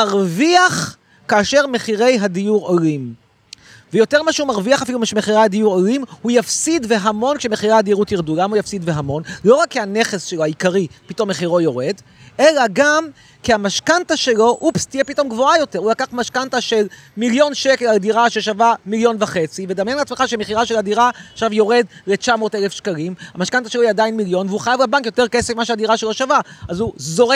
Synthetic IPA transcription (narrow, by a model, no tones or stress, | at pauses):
maʁviaχ | kaːʃe̞ʁme̞χiʁe̞jɦadijuʁolim | vejo̞te̞ʁmaʃeumaʁviaχafilumaʃmeχiʁaadiuʁolimhujafsidve̞ɦamo̞nkʃeme̞χiʁaad̪ieʁut̪iʁdulamhujafsidveɦamo̞nlo̞ʁakːeane̞χe̞sʃelohaikaʁipito̞mːe̞χiʁo̞jo̞ʁe̞d | e̞laɡam | kiamaʃkantaʃe̞lo̞ʔupst̪ijepito̞mɡvo̞ajo̞te̞ʁulakaχmaʃkantaʃe̞l | miljo̞nʃekeladiʁaʃeʃavamiljo̞nvaχe̞t͡sived̪amjenleat͡smeχaʃemeχiʁaʃeladiʁaʃavjo̞ʁe̞dlet͡ʃamo̞ːtele̞fʃkalimhamaʃkantaʃelojɛadainmiljo̞nveuχajavlabaŋkjo̞t̪e̞ʁkesefmaʃeadiʁaʃelo̞ʃavaazuzo̞ʁ